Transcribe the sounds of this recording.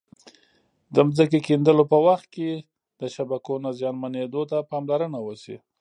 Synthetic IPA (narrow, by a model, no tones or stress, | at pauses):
d̪əmzəkekend̪əlopəwaxt̪̚ke | d̪̥əʃabakonazjɑnmaned̪ot̪apɑmlaɾənawəsḭ